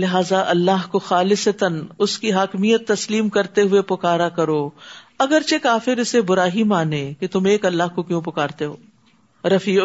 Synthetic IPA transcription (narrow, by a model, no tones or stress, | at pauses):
lɪɦaːzaʔɐlːaɦkoxaːlɪsət̪ənʊskiɦaːkmijət̪ːɐsliːmkɐɾt̪eɦʊepʊkaːɾakɐɾoːɐɡəɾt͡ʃekaːfɪɾɪsebʊɾaːɦimaːneket̪ʊmeːkɐlːaɦkokjõpʊkaːɾt̪eɦoː | ɾɐfiː